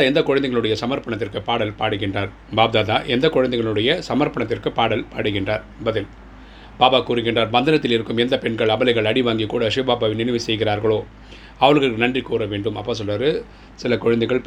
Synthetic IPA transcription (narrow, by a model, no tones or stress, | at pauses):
aɛnd̪ɐkʊɔɻɐnd̪ɐɪɣɐɭɯɽɐjɐsɐmɐɾpɐɳɐt̪ːɪrkɯpaːɽɐlpaːɽɯɣɪndraːɾ | baːb̚d̪aːðaːʔɛnd̪ɐkʊɻɐnd̪ɐɪɣɐɭɯɽɐjɐsɐmɐɾpɐɳɐt̪ːɪrkɯpaːɽɐlpaːɽɯɣɪndraːɾ | bɐðɪl | b̥aːbaːkuːɾɯɣɪndraːɾbɐnd̪ɐnɐt̪ːɪlɪɾɯkːɯmɛnd̪ɐpɛɳɡɐɭɐbɐlɐɪɣɐɭɐɽɪʋaːŋɡikːuːɽɐʂɪbaːbaːʋɪnɪnɪʋɯsɛjɣɪraːɾɣɐɭoː | ɐʋɐɾɣɐɭkːɯnɐndrikuːɾɐʋeːɳɖɯmɐpːɐːs̬ɔlʋaːɾɯ | sɪlɐkʊɻɐnd̪ɐɪɣɐɭp